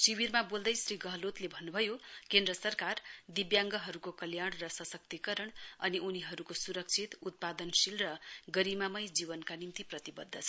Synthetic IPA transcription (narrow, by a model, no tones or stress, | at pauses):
sibirmabold̪ʌjsriɡʌɦʌlot̪lebʱʌnːubʱʌjokend̪rʌsʌrkard̪ibjaŋɡʌɦʌɾukokʌljaɽrʌsʌsʌk̚t̪ikʌɾʌɳʌniʔuniɦʌɾukosuɾʌk̚t͡sʰit̪ut̪̚pad̪ʌnsilrʌɡʌɾimamʌjd͡zibʌnkanimt̪iprʌt̪ibʌd̪ʱːʌt͡sʰʌ